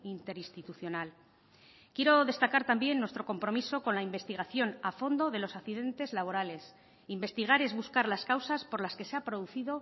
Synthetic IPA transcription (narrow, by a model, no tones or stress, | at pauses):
int̪e̞ɾinst̪it̪uθjo̞nal | kje̞ɾo̞ðe̞st̪akaɾt̪ambje̞nːwest̪ɾo̞ko̞mpɾo̞miso̞ko̞nlaimbe̞st̪iɣaθjo̞nafo̞nd̪o̞ðe̞lo̞sakθiðe̞nt̪e̞zlaβ̞o̞ɾale̞s | imbe̞st̪iɣ̞aɾe̞zβuskaɾlaskawsaspoɾlaske̞seapɾoðuθiðo̞